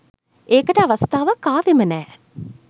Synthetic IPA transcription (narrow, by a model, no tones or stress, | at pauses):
eːkəʈəaʋɐst̪aːʋəkaːʋemənɛː